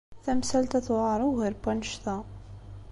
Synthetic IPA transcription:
θæmsælt̪æθwɾˤəɣəɾbænʃt̪æ

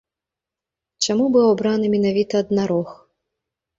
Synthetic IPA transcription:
t͡ʃamubɨwɔbɾanɨmʲinavʲit̪ɐːd̪naɾɔx

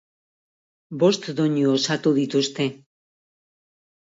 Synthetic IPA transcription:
bo̞st̪d̪oɲuosat̪uðit̪ust̪e̞

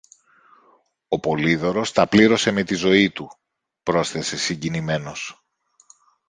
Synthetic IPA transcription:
o̞po̞liðo̞ɾo̞st̪ɐpliɾo̞se̞me̞t̪izo̞it̪u | pɾo̞sθe̞se̞siɲɟinime̞no̞s

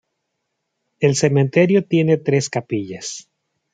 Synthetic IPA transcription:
e̞lse̞mẽnt̪e̞ɾjo̞t̪je̞ne̞t̪ɾe̞skapiʝas

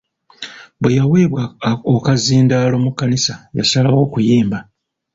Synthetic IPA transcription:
bwejawe̞ːβwaokaziːndaːlo̞ːmukːanisaja̰salawo̞ːkujeːmba

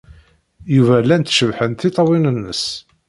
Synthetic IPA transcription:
juvælːænt̪ʃəvħənt̪it̪ˤɑwinənːə̰s

